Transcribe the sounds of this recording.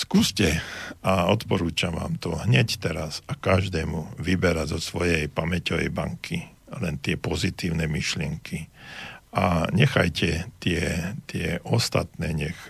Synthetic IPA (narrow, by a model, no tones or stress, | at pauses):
skuːscɛaɔt̪pɔɾuːt͡ʃaʋa̰ːmt̪ɔɦɲɛct̪ɛɾasakaʒd̪ɛːmuʋibɛɾazɔsʋɔjɛjpamɛcɔʋɛ̰jba̰ŋkʰilɛnt̪ɪɛpɔzit̪iːʊnɛmiʃlɪɛŋkʰi | aɲɛxajcɛt̪ɪɛt̪ɪɛʔɔst̪a̰t̪nɛːɲɛx